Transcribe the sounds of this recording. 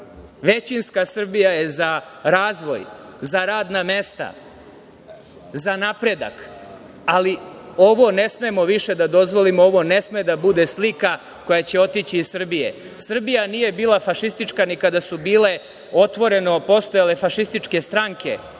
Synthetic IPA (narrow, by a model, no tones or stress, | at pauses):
ʋe̞t͡ɕinskasr̩bijaje̞zaɾaːzʋo̞̰jzaɾaːd̪name̞st̪a̰ | zanapɾe̞d̪a̰k | alio̞ʋo̞ne̞smemo̞ʋiʃe̞d̪ad̪o̞zʋo̞limooʋo̞ne̞smed̪abud̪e̞slika | ko̞jat͡ɕe̞o̞t̪it͡ɕiːzsr̩bije̞̰ | sr̩bijanije̞biːlˠafaʃist̪it͡ʂkanikad̪asubiːle̞ | o̞t̪ʋo̞ɾe̞no̞po̞st̪ojale̞faʃist̪it͡ʂke̞st̪ɾaŋke̞̰